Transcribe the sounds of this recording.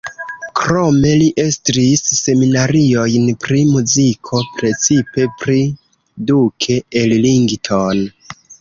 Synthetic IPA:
kɾo̞me̞liʔe̞stɾisːe̞minaɾio̞jnpɾimuzikʰo̞pɾe̞t͡sipe̞pɾi | dukʰe̞elliŋɡtʰon

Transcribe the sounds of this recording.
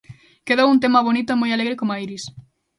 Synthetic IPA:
keðowunt̪̬emaβonit̪oemojaleɣɾekomaiɾis

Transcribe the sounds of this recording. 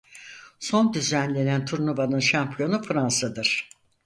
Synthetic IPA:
so̞nd̪yzænlʲe̞nænt̪ʰuɾnubanɯnʃampʰijo̞nufɯɾansad̪ɯɾ̥

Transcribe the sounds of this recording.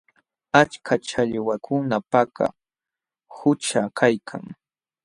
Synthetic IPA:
at͡ʃkʰat͡ʃaʎwakʰʊnapaka̰ | hʊt͡ʃakʰajkʰa̰ŋ

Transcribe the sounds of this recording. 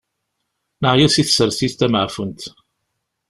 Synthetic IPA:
nəʕjæsiθsəɾθiθt̪æmʕfənt̪

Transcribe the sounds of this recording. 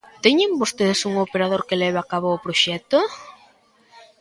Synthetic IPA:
t̪ɛɲembost̪eðesuŋopeɾað̞oɾkelɛβakaβoːpɾoʃɛt̪o

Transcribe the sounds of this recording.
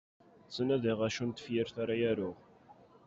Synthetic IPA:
t͡sːənæðiʁæʃunt̪ə̥fjəɾθaɾajæɾʊʁ

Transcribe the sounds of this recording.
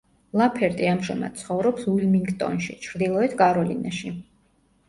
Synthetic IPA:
lˠapʰɛɾt̪ʼiamʒɛma̰d̪̥̚t̪sʰχɔvɾɔpsilmiŋɡt̪ʼɔ̰nʃit͡ʃʰɾd̪ilˠɔɛt̪ʰkʼaɾɔlina̰ʃi

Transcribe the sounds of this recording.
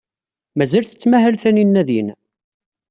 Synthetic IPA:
mæzælθə̥t͡sːmæhælθæninːæðjin

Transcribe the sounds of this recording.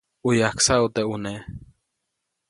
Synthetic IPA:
ujaksaut̪eune

